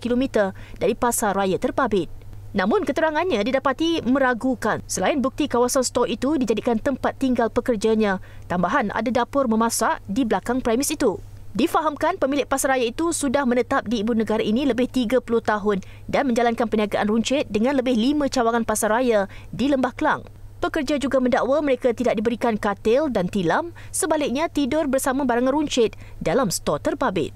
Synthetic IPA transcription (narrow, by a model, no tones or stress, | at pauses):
kilomit̪ərdaɾipasarajat̪ərpabɪt̪̚nãmʊ̃nkət̪əɾaŋanɲãdidapat̪imə̃ɾaɡukansəlaɪnbuk̚t̪ikawasanst̪ɔkit̪udid͡ʒadikant̪əmpat̪ːiŋɡalpəkərd͡ʒaɲãt̪ambaɦanʔa̰dadapʊrmə̃mãsaʔdibəlakaŋpɾamisit̪udifaɦamkanpəmilɪʔ̚pasaɾajait̪usudahmə̃nət̪ap̚diːbunəɡaɾaʔinĩləbɪht̪iɡapulʊht̪aɦʊn | danmə̃ɲd͡ʒalankanpəniaɡaʔanruɲt͡ʃɪt̪̚dəŋãnləbɪhlimãt͡ʃawaŋanpasarajadiləmbahkəla̰ŋ | pəkərd͡ʒad͡ʒuɡamə̃ndaʔwaməɾekat̪idaʔ̚dibəɾikankat̪ɪldant̪ilamsəbalɪk̚ɲãt̪idʊrbərsamãbaɾaŋãnruɲt͡ʃɪt̪̚ | dalamsə̥t̪ɔt̪ərbabɪ̰t̪̚